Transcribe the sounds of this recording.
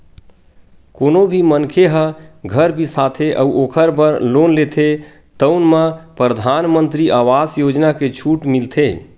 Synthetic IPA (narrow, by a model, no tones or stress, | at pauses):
konobʱimənkʰeɦəɡʱəɾbʱisat̪ʰeʔə̰uʔokʰəɾbəɾlonlet̪ʰe | t̪əʊnməpɾəd̪ʱanmənt̪ɾiʔaʋasjod͡ʒnaket͡ʃʰuʈmilt̪ʰe